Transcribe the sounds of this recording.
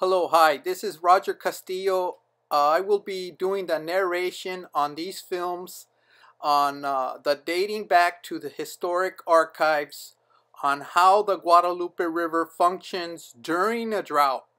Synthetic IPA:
hɛloʊɦaɪðɪsɨzɹɑd͡ʒə˞kʰɨstioʊ | aɪwɪlˠbiduɪ̃ŋðɨnɛɹeɪʃɨ̃nə̃nðiz̥fɪlˠmz̥ | ʔə̃nðədeɪɾɪ̃ŋbæk̚tʰɨðɨhɨstɔɹɨkʰɑɹkʰaɪvz̥ | ə̃nhaʊðəɡwɑɾəlupɨɹɪvə˞fʌ̃ŋkʃɨ̃nzdʊɹɪ̃ŋɨdɹaʊt̚

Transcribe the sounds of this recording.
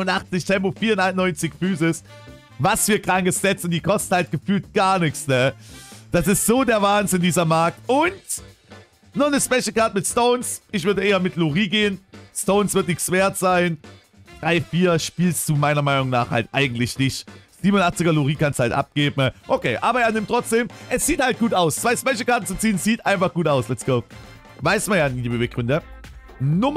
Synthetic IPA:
ʊnʔaχt͡sɪçtʰɛmp̬ofiːɐʊnanɔʏnt͡sɪçfyːzɪs | vasfyːɐkʁ̥aŋkəsz̥ɛt͡sn̩d̥iːkʰɔst̩halt̚ɡ̥əfyːltɡ̥aːɐnɪçt͡snəd̥asɪstz̥oːdeːɐvaːnzɪndiːzɐmaɐk̚tʊnt | nɔnəspɛʃl̩kaɐtmɪtstoʊnsʔɪç̬v̥ʏɐdəʔeːɐmɪtluʁiːɡeːənstoʊnsv̥ɪɐtnɪçsv̥eːɐtz̥aɪn | d̥ʁaɪfiːɐʃpiːlstd̥uːmaɪnɐmaɪnʊŋnaːχha̰ltʔa̰ɪɡŋ̩tlɪçnɪçtz̥iːmonʔaχt͡sɪɡɐluʁiːkansthaltʔa̰p̚ɡ̥eːbm̩ʔokʰeːʔaːbɐeːɐnɪmtʁ̥ɔt͡sd̥eːmʔɛsz̥iːthalt̚ɡ̥uːtaʊst͡sv̥aɪspɛʃl̩kaɐtn̩t͡sut͡siːənz̥iːtʔa̰ɪnfaχɡ̥uːtaʊslɛt͡sɡ̥oʊ | vaɪstmanjaːniːbeveːk̚ɡʁʏndə | nʊm

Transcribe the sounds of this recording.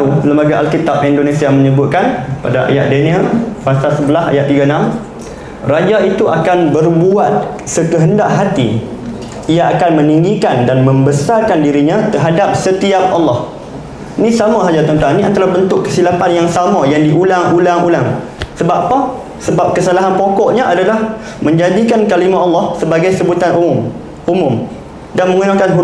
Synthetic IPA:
uləmbaɡaʔalkit̪ap̚indonesiaməɲəbʊt̪̚kanpa̰daʔa̰ja̰ʔ̪̚dunĩafasalsəbəlaha̰jaʔt̪iɡanãm | rad͡ʒait̪uʔakanbərbuat̪̚ | səkəɦəndaʔɦat̪ḭ | ijaakanmə̃niŋɡikandanmə̃mbəsarkandiɾiɲãt̪ərɦadap̚sət̪iap̚ɑlːɑh | nĩsamãɦad͡ʒat̪ɔnt̪aŋniant̪aɾahbənt̪ʊkːə̥silapanjaŋsamãjaŋdiʔulaŋulaŋulaŋ | səbaʔpa | səbap̚kəsalaɦanpokɔʔɲaʔadalah | mə̃ɲd͡ʒadikankalimãʔɑlːɑhsəbaɡajsəbut̪anumʊm | umʊm | danmə̃ŋunakanɦu

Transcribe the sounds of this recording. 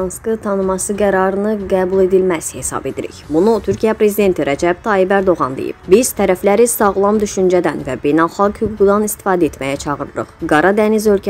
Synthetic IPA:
nskɯt̪ʰɑnɯmɑsɯɡæɾɑɾɯnɯɡæːbulˠe̞d̪ilmæshe̞sɑ̰be̞d̪ḭɾḭçbunut̪ʰyɾcʰijæpɾe̞zid̪e̞nt̪ʰiɾæd͡ʒæb̥̚t̪ʰɑːibæɾd̪o̞ɣɑnd̪ḛjḭb̥̚biz̥t̪ʰæɾæflæɾisɑɣlˠɑmd̪yʃynd͡ʒæd̪ænvæbe̞jnælˠχɑlɡhyɡuɡud̪ɑnist̪i̥fɑːd̪æe̞t̪mæjæt͡ʃʰɑʁɯɾɯɾɯ̰χɡɑɾɑd̪ænizø̞lcʰ

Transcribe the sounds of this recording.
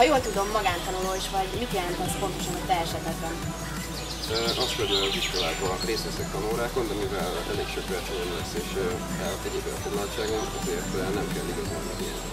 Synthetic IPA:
ɒjoːlt̪ud̪o̞mːɒɡaːnt̪ɒnuloːiʃʋɒɟmit̪jɛlɛnt̪ɛmʃpo̞nt̪o̞ʃɒnɒt̪ɛɛʃɛt̪ɛɡbɛn | ʔɒskølɛloziʃkolaːɡbɒnreːst̪ʋɛsɛkt̪ɒnoːɾaːkonɒmivɛl | ɛ̰leːkʃøkʋɛrt͡ʃoɛnlɛseːʃ | ɛlɛɟeːbɛɒ̰foɡlɒlt͡ʃaːɡont̪ɒt̪eːrt̪lɛnnɛmkɛlːiɡɒzonɛ̰ɡiɛ̰nḭ

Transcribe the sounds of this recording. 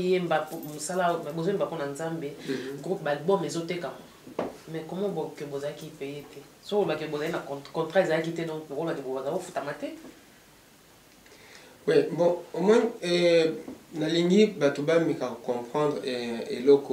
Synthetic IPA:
jembapomosalabozoembaponanzambeɡʁupbalbɔmezotekamamɛkɔmɔbokebozalakipejetɛ | soklbakbozalinakkɔ̃ntʁaezalakitɛdɔ̃koklakiboazaofutamatɛ | wɛbɔ̃omɔɛ | naliŋɡibatobamikakokɔ̃pχɑ̃ndʁḛlɔkɔ

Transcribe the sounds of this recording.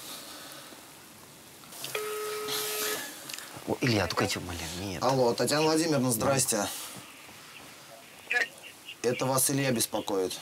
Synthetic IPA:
o̰ʔilʲjat̪ukɛtʲɪmalʲanʲet̪ɐlˠo̞t̪ɐtʲjanəvlˠɐdʲimʲɪrnəzd̪ɾasʲtʲɪ | ɛt̪əvasɨlʲjabʲɪspɐkojɪt̪

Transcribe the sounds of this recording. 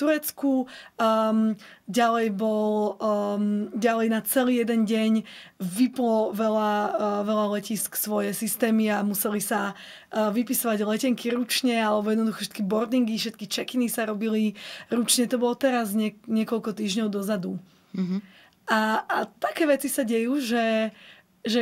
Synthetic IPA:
t̪uɾɛt͡sku | ɟalɛjbɔlmɟalɛjnat͡sɛliːjɛd̪ɛnɟɛɲʋiplɔʋɛlaʋɛlalɛcisksʋɔjɛsist̪ɛːmiamusɛlisa | ʋipisɔʋaɟlɛcɛŋkʰiɾut͡ʃɲɛalɛbɔjɛd̪nɔd̪uxɔfʃɛt̪kibɔɾd̪iŋɡifʃɛt̪̚kit͡ʃɛkinisaɾɔbiliɾut͡ʃɲɛt̪ɔbɔlɔt̪ɛɾazɲɛɲɪɛkɔʎkɔt̪iːʒɲɔʊd̪ɔzad̪u | ʔaːt̪akɛːʋɛt͡sisaɟɛjuːʒɛ | ʒɛ

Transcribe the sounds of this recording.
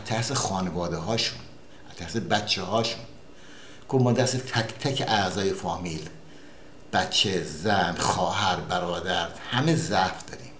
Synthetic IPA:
æt̪ʰæhsexɒːnevɒːd̪eɦɒːʃun | æ̥t̪ʰæɾsebæt̪t͡ʃʰeɦɒːʃun | ɡ̥ovmɒːd̪æɾset̪ʰækʰt̪ʰæcʰeʔæzɒːjefɒːmiːl | b̥æt̪t͡ʃʰːezænxɒːɦæɾbæɾɒːd̪æɾhæmezæfd̪ɒ̰ːɾḭːm

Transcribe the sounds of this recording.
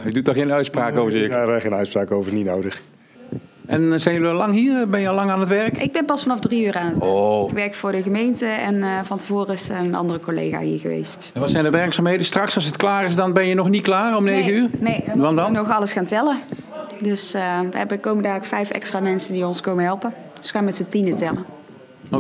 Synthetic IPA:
ədutnɔχxejnœɥtspraːkowvəaχenœɥtspraːkowvənitnowdəχ | ʔɛnzɛjnjəliɑlɑŋɦiːɹbɛnjəɑlɑŋaːnɦətʋɛrkʔɪɡ̚bɛnpɑsfɑnɑfdriyːraːnətkʋɛɹkfʊːɹdəɣəmejntəɛnvɑntəvoːrəɪsənɑ̰ndərəkolḛjɣa̰ːɦḭːɹɣəʋḛjstʋɑtsɛjndəʋɛɹksaːmɦejdənstrɑksɑlˠsətklaːrɪsdɑnbɛnjənɔχnitklaːrɔmnejɣəyːrnejʋɑndnɔxɑləsxaːntɛlədɵsəʋə̰ɦɛbəkowməndaːkfɛjfɛ̰kstraːmɛnsəndiɔnskowmənɦɛlˠpən | sxaːnmɛtsətinətɛlə | o

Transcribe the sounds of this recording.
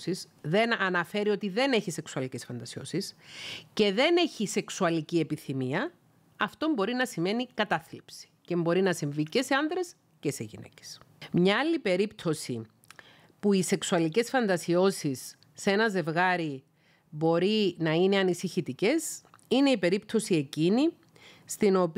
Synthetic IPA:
sisðe̞nɐnɐfe̞ɾio̞t̪iðe̞ne̞çise̞ksuɐlice̞sfɐnd̪ɐsio̞̰sisce̞ðe̞ne̞çise̞ksuɐlicie̞piθimiɐ | ɐft̪o̞mbo̞ɾinɐsime̞nikɐt̪ɐθlipsi̥ce̞mbo̞ɾinɐsiɱvice̞se̞ɐnðɾe̞s | ce̞seʝḭne̞̰ce̥smɲɐɐlːipe̞ɾipt̪ʰo̞si | puise̞ksuɐlice̞sfɐnd̪ɐsio̞sisː | e̞nɐze̞vɣɐɾi | bo̞ɾinɐine̞ɐnisiçit̪ice̞sine̞ipe̞ɾipt̪ʰo̞sie̞cini | st̪ino̞p

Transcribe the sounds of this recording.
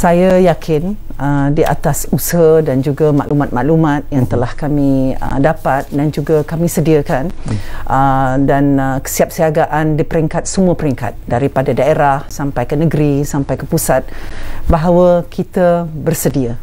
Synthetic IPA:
sajajakʰɪn | ədiʔa̰t̪asusəɦədand͡ʒuɡama̰ʔlumãt̪̚maʔlumãt̪̚jaŋt̪əlahkamĩə̰dapat̪̚dand͡ʒuɡakamĩsədiakanʔədankə̥siap̚siaɡaʔandipəɾɛŋkat̪̚səmuəpəɾiŋka̰t̪̚daɾipadadaeɾahsampajkənəɡɾisampajkəpusat̪̚baɦawakʰit̪abərsədia

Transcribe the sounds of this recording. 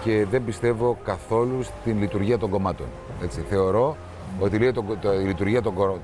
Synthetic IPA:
ce̞ðe̞mbist̪e̞vo̞kɐθo̞lust̪inlit̪uɾʝiɐt̪o̞ŋɡo̞mɐt̪o̞̰n | e̞t͡siθe̞o̞ɾo̞ | ot̪ilet̪oilit̪uɾʝiɐt̪oɡo

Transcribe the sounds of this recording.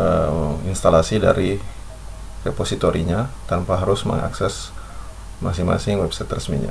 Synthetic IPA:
əinst̪alasida̰ɾi | reposit̪oɾiɲat̪anpaɦaɾʊsmə̰ŋa̰ksɛs | ma̰s̬ɪŋma̰sɪŋwɛbsajt̪rəsmḭɲa̰

